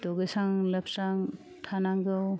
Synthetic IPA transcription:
dɔɡesaŋlɐp̚ʰsaŋ | tʰanaŋɡɯw

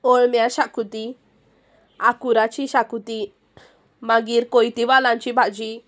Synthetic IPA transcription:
ɔɭmjaɕakut̪i | akuɾat͡ʃiɕakut̪i | maɡiɾkɔjt̪iʋalant͡ʃibʱad͡ʑi

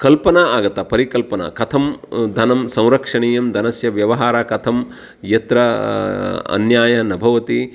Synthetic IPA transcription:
kɐlpɐnɐaːɡɐt̪ɐpɐɾikɐlpɐnɐ̰kɐt̪ʰɐmd̪ʱɐnɐmsɐ̃w̃ɾɐkʂɐɳiːjɐmd̪ʱɐnɐsjɐʋjɐʋɐɦaːɾaːkɐt̪ʰɐm | jɐt̪ɾɐ | ɐ̰njaːjɐnɐbʱɐʋɐt̪i

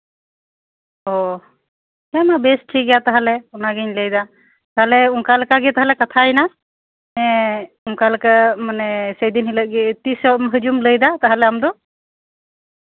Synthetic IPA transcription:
ɔ | kamabɛsʈʰiɡɛjat̪aɦalɛɔnaɡiɲləjd̪a | t̪aɦalɛuŋkalkaɡɛt̪aɦalɛkat̪ʰajna | ɛ̃ | uŋkalkəmanɛsəjd̪inɦilət̚ɡɛt̪isɔmɦəd͡ʒumləjd̪at̪aɦalɛamd̪ɔ

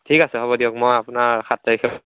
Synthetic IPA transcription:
tʰikasɛɦɔβɔdiɔk̚mɔjapʊnaɹkʰatːaɹikʰɛ

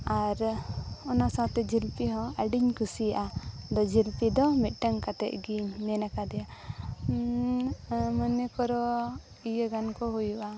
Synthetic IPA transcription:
aɾɔnasat̪ɛd͡ʒilpiɦɔ̃əɖiɲkusijaʔad̪ɔd͡ʒilpid̪ɔmit̪̚ˀʈəŋkat̪ɛ̰ʔ̚ɡiɲmɛnakad̪ɛja | mənɛkɔɾɔ | ijəɡankɔɦujuʔa

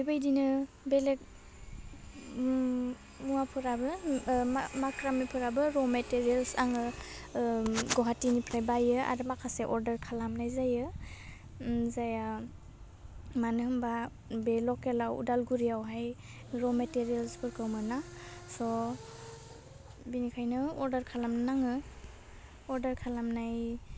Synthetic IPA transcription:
ibajdinɯ | belek̚ | muapʰɯɾabɯamakɾamipʰɯɾabɯɾɔmeteɾielsaŋɯ | ɡɔɦatinipʰɾajbajɯa̰ɾɯmakʰaseʔɔɾdəɾkʰalamnajzajɯ | zaja | manɯhɯmba | belɔkelawṵdalɡuɾijawɦaj | ɾɔmeteɾijelskʰɯɾkʰɯwmɯnasɔ | binikʰajnɯɔɾdəɾkʰalamnaŋɯ | ɔɾdəɾkʰalamnaj

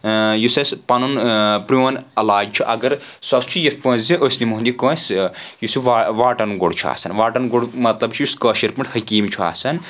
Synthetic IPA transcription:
jusɐsʲpɐnunpɾuɐnɐlaːd͡ʒt͡ʃʰuʔɐɡɐɾsɐst͡ʃʰujet̪kõːzʲĩʔosʲnimuɦnd̪ikõːnsjusuʋaʋaːʈɐnɡoɽt͡ʃʰua̰sɐnʋaːʈɐnɡoɽmɐt̪lɐbt͡ʃʰujuskɐːʃiɾpiɳʈhɐkiːmt͡ʃʰua̰ːsɐn

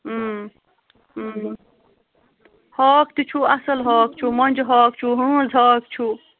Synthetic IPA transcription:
hɔːkt̪it͡ʃʰuɐsɐlɦaːk̚t͡ʃʰumɐnʲd͡ʒɦaːk̚t͡ʃʰuɦuũzɦaːkt͡ʃʰu

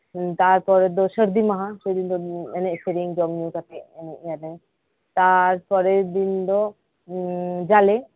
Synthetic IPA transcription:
t̪aɾpɔɾɛd̪ɔsəɾd̪imaɦãsəd̪ind̪ɔɛnɛseɾiŋd͡ʒɔmjukat̪ʰɛɛnɛʔjalɛ | t̪aɾpɔɾɛd̪ind̪ɔ | d͡ʒalɛ

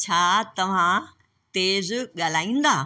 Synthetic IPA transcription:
t͡ɕʰaːt̪ɐʋ̤ã | t̪eːzɠaːl̤aːĩːn̆d̪aː

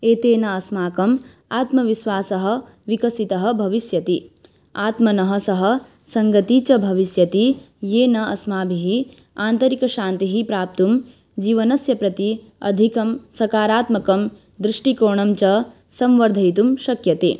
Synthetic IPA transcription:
eːt̪eːnɐːsmaːkɐm | aːt̪mɐʋiʃʋaːsɐɦɐ̆ | ʋikɐsit̪ɐɦɐ̆bʱɐʋisjɐt̪i | aːt̪mɐnɐɦɐsɐɦɐ̆ | sɐŋɡɐt̪it͡ʃɐbʱɐʋisjɐt̪i | jeːnɐɐsmaːbʱiɦi | aːnt̪ɐɾikɐʃaːnt̪iɦipɾaːp̚t̪um | d͡ʒiːʋɐnɐsjɐpɾɐt̪i | ɐ̰d̪ʱikɐmsɐkaːɾaːt̪mɐkɐm | d̪ɾiʂʈikoːɳɐmt͡ʃɐ | sɐmʋɐɾd̪ʱɐjt̪̬umʃɐkjɐt̪e

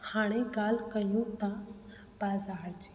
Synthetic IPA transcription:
hãːɽ̃eɡaːlkəjũt̪ã | b̥aːzaːɾd͡ʒi̥

